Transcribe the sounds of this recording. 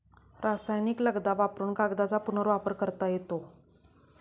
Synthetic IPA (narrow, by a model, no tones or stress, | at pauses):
ɾasajnikləɡd̪aʋapɾuːɳkaɡd̪at͡sapunəɾʋapəɾkəɾt̪ajet̪o